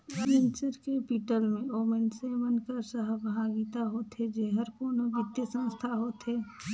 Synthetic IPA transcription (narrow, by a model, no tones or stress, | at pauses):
ɪ̃nsəɾkebiːʈəlmẽoːmensemənkəsəɦəbʱaːɡit̪aɦoːt̪ɦed͡ʒeɦəɾkoːnoʋɪt̪jəsə̃nst̪ʰaɦoːt̪ɦeː